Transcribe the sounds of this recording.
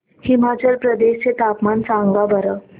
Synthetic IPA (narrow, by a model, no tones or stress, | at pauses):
himat͡ɕəɾpɾəd̪eɕt͡set̪apmant͡sãŋɡɡabəɾə